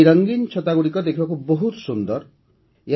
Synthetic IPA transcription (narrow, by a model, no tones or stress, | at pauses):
ɾʌŋɡint͡ʃʰɔt̪aɡuɽikɔd̪ekʰibakuboɦut̪sund̪ɔɾ | e